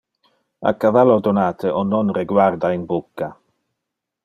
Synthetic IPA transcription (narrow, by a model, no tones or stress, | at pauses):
a̰kavalod̪onaːt̪ʰəʔɔnːɔnreɡwaɾd̪ainbukːa